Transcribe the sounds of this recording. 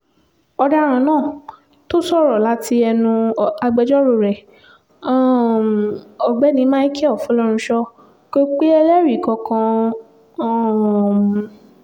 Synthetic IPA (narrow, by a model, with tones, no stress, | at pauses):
ɔ˧da˦ɾ̃ã˨˧˨nãː˦˨ | to˦sɔ˦˨ɾɔ˨la˨˦tʰi˧ɛ˧nũ˧a˧ɡ͡bɛ˧d͡ʒɔ˦ɾo˧˨ɾɛ̃˨ | ɔ˨ɡ͡bɛ˦nĩ˨˦mã˦i˦kʰɛ˦ɔ˦˨fũ˨˦lɔ˦ɾ̃ũ˧ʃɔ˧ | ko˦k͡pe˦ɛ˧lɛ˦ɾi˨kɔ̃˧kã˧˦˨